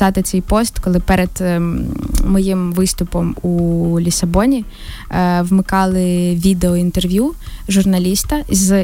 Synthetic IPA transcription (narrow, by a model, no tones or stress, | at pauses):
ɑt̪ɪt̪sɛjpɔst̪kɔlˠɪpɛɾed̪̥ | mɔjimʋɪst̪ʊpɔmulʲisɐbɔnʲi | ʋmɪkɑlˠɪʋʲid̪eɔint̪erʋʲjuʒʊrnɐlʲist̪ɐz